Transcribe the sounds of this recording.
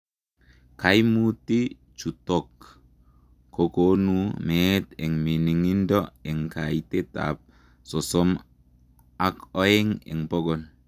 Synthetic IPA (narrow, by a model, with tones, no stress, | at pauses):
ka˨˦jmu˦ti˦ | t͡ʃu˨to˨k | ko˨ko˦nu˦me˦te˨ŋmi˨ni˨ŋi˦ndɔ˦e˨ŋka˨i˨te˦ta̰˨p̚ | sɔ˨sɔ˦m | a˦kɔ˦e˦ŋḛ˨ŋpo˦ɡɔ˨n